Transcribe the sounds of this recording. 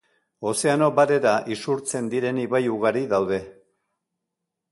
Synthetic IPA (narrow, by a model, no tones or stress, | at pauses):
o̞se̞ano̞baɾe̞ɾaʔisuɾt͡se̞nd̪iɾe̞niβajuɣ̞aɾiðawðe̞